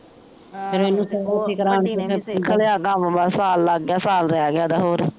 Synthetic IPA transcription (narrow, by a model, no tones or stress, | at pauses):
pʰɪɾmeːnːũːsəoːikəɾaːnkʰəlejaːkambasaːlːaɡːɪaːsaːlɾejaːɡɪaːd̪aːɦoːɾ